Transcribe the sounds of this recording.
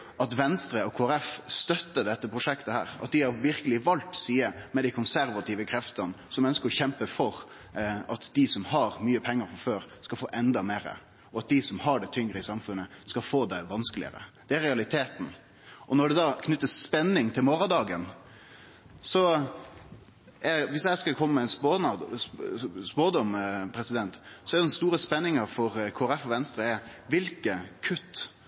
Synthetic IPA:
ɑt̪ʋɛnst̪ɾəɔkʰoːæɾɛfst̪œt̪ːəd̪ɛt̪ːəpʰɾʊʂɛkt̪əhæ̰ːɾɑ̰t̪̚d̪ɪhɑɾʋɪɾkəlɪʋɑlt̪siːəmɛd̪æɪkʰʊnsæɾʋɑt̪ʰiːʋəkʰɾɛft̪ɑnsɔmœnskəɾɔçɛmpəfɔɾ | ɑt̪d̪ɪsɔmhɑɾmyːəpʰɛŋːəɾfɔɾføːɾskɑlfoːʔɛnd̪ɑmeːɾə̰ | ɔɑt̪̚d̪ɪsɔmhɑɖɛt̪ʰʏŋɾəɪsɑmfʉnːəskɑfoːd̪æɪʋɑnskəlɪ̰ə̰ɾə̰d̪̥ɛæɾɛɑlɪt̪ʰeːt̪n̩ | ʔɔnɔɖɛd̪ɑːkʰnʏt̪ːəsːpɛnːɪŋt̪ʰɪlmoːɾɑd̪ɑːɡən | sɔ | ɛʋɪsjæɪskɑlkʰɔmːəmɛɛnspːnɑ | spoːd̪ɔmpʰɾɛsɪd̪ɛnt̪sɔɛɾɛd̪ɛnst̪uːɾəspɛnːɪŋɑfɔɾkʰoːæɾɛfɔʋɛnst̪ɾəɛɾʋɪlkəkʰʉt̪ː

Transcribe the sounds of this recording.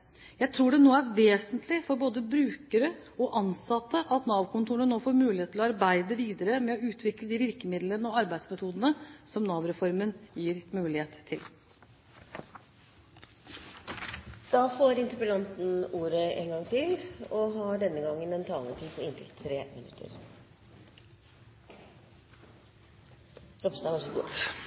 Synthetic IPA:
jæɪt̪ʰɾuːɖɛnoːəæɾʋeːsənt̪ʰlɪfɔɾboːd̪əbɾʉːkəɾəɔʔɑnsɑt̪ːəʔɑt̪nɑːʋkʊnt̪ʰuːɳənoːfoːɾmʉːlɪheːt̪ʰːɪlɔɑɾbæɪd̪əʋiːd̪əɾəmɛɔʉːt̪ʰʋɪkləd̪ɪʋɪɾkəmɪd̪lənəɔɑɾbæɪd̪smɛt̪ʰuːd̪ənəsɔmnɑːʋɾɛfɔɾmənjiːɾmʉːlɪheːt̪ʰːɪl | d̪̥ɑːfoːɾɪnt̪ʉpəlɑnt̪n̩uːɾəʔḛːŋɡɑŋt̪ʰɪlɔɦɑːɖɛnːəɡɑŋːənmɛnt̪ʰɑ̰ːlət̪ʰiːd̪pʰɔɪnt̪ʰɪ̰lt̪ʰːɾeːmənʉ̰t̪ʰə̰ɾ | ɾɔbsd̪ɑːʋɑsɔɡṵ

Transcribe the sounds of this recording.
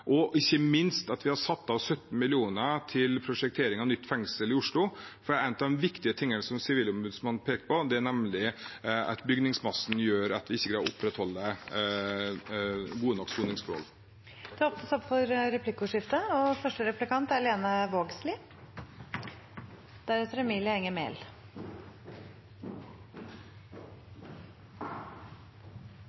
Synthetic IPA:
ʔɔʔɪçːəmɪnst̪ɑt̪ʋɪhɑɾsɑt̪ːɑʋsœt̪n̩mɪlɪuːnət̪ʰɪlpʰɾʊʂɛk̚t̪ʰeːɾɪŋɑnʏt̪ːfɛŋsəlɪʊʂɭʊfɔɖɛɾæɪnət̪ɑd̪ɛmʋɪkt̪ɪət̪ʰɪŋːənsɔmsɪʋiːlʊmbʉd̪smɑn̩ːpʰeːkəpɔd̪ɛænɛmlɪɑ̰t̪bʏɡnɪŋsmɑsn̩jøːɾɑt̪ʋɪɪçːəkɾɑʔʊpːɾɛt̪hɔlːə | ɡuːənɔksuːnɪŋsfɔɾhɔ̰l | d̪̥ɛɔpt̪əsɔpfɔɾɾɛpʰlɪkːʊʂɪft̪əɔfœʂʈəɾɛplɪkɑnt̪æɾleːnɑʋoːɡslɪ | d̪̥æɾɛt̪ɾɛmiːlɪəɛŋːəmḛːl

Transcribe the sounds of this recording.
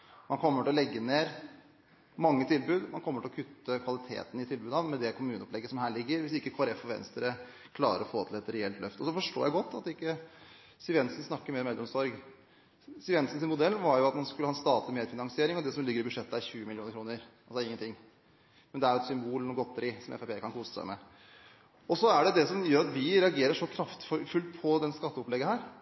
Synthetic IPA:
mɑnkʰɔmːəʈɪɔlɛɡːəneːɾ | mɑŋːət̪ʰɪlbʉːd̪mɑnkʰɔmːəʈɪlɔkʰʉt̪ːəkʰʋɑlɪt̪ʰḛːt̪ənəɪt̪ʰɪlbʉːd̪ɑʋmɛd̪ɛkʰʊmʉːnəɔplɛɡːəsɔmhæːɭɪɡːəɾʋɪsɪkːəkʰʋɑɾɛfɔʋɛ̰nst̪əɾə | kʰlɑːɾəɾɔfoːt̪ʰɪlɛt̪ːəɾɛɛlt̪lœft̪əɔsɔfɔʂʈo̰ːjæɪɡɔt̪ːɑt̪ɪkːə | sɪʋɛnsən̩snɑkːəɾmeːɾɔmɛlːɔmsɔɾɡ | sɪʋɛnsnsɪnmʊd̪ɛlːʋɑɾjʊɑt̪mɑnskʉləɑɛnst̪ɑːt̪əmeːd̪fɪnɑŋsɪeːɾɪŋɔd̪ɛsɔmlɪɡːəɾɪbʉd̪ʂɛt̪ːəæɾçʉːəmɪlɪuːnəkɾuːnəɾɑlsɔɪŋːənt̪ʰɪŋː | mɛnd̪ɛæɾjʊɛt̪sʏmbuːlnuːɡɔt̪ːəɾɪsɔmʔɛ̰fæpʰeːkʰɑnkʰuːsə̥sæ̰ɪmɛ̰ | ɔsɔæɖɛd̪ɛsɔmjøːɾɑt̪ʋɪɾɛɑɡeːɾəʂɔkʰɾɑft̪ffʉlt̪pʰɔd̪ɛnskɑt̪ːəɔplɛɡːəhæːɾ

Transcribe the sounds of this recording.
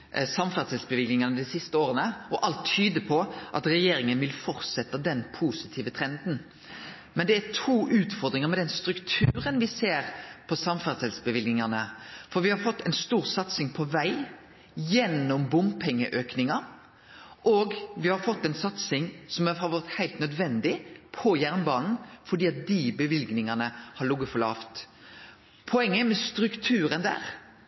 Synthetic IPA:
sɑmfæd̪sɛlsbəʋɪlɡnɪŋɑnəd̪ɪsɪst̪əoːɾənəɔʔɑlt̪ʰːyːd̪əpʰɔʔɑt̪ɾɛjeːɾɪŋənʋɪlfɔɾt̪sɛt̪ːɑd̪ɛnpʰuːsɪt̪ʰiːʋət̪ʰɾɛnd̪n̩ | mɛnd̪ɛæt̪ʰuːʔʉːt̪fɔʁd̪ɾɪŋəɾmɛd̪ɛnst̪ɾʉkt̪ʰʉːɾənʋɪseːɾpʰɔsɑmfæʁd̪sɛlsbəʋɪlɡnɪŋɑnəfɔɾʋɪhɑɾfɔt̪ːɛnst̪uːʁsɑt̪sɪŋpʰɔʋæɪ | jɛnːɔmbʊmpʰɛŋːəʔøːknɪŋɑ | ʔoːɡʋɪhɑɾfɔt̪ːɛɪnsɑt̪sɪŋsɔmhɑɾʋɛʁt̪hæɪlt̪nœd̪ʋɛnd̪ɪpʰɔjæʁnbɑːnn̩fɔɖ̪iːɑt̪̚d̪ibəʋɪlɡnɪŋɑnəhɑɾɭʊɡəfɔlɑ̰ːft̪ | pʰɔɛŋːəmɛst̪ɾʉkt̪ʰʉːɾənd̪æ̰ːʁ

